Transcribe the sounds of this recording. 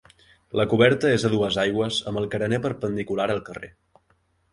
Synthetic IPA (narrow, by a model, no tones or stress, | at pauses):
ləkuβɛɾt̪əezəðuəzajɣwəzəməlˠkəɾənepəɾpənd̪ikulaɾəlˠkərḛ